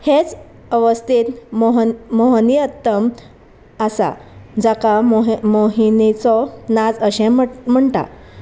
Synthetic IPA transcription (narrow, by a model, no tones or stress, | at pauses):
het͡s | əʋəst̪it̪ | moɦniət̪ːəm | əsa̰d͡zakaɦmoɦinit͡sɔnad͡zəɕɛ̃m̤əɳʈa̰